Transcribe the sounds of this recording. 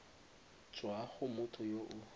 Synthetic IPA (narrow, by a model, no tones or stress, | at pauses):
t͡ʃwaχʊmʊtʰɔjoʔʊ